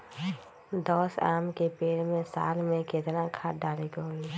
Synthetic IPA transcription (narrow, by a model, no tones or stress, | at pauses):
d̪ɔːsa̰ːmkepeːɽmẽsa̰ːlmẽket̪nakʰaːʈɖaːliɡoɦi